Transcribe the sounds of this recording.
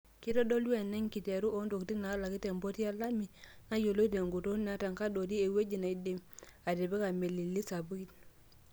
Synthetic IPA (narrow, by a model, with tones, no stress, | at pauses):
ki˦tɔ˦do˦le˨nːɛ˦ŋki˨te˨ɾu˦ʔo˦ndo˨kti˦na˨a˦la˨ki˦te˨mbo˦ti˦a˦la˦mi˨na˦jo˨lo˦i˦t̬e˨ŋɡu˨to˦n˨a˦ta˨ŋka˦do˨di˦e˨we˦d͡ʒi˨na˨i˦de˦˨ma˨de˨be˦ka˨me˨li˨lːi˦sa˨bu˦i˦t̚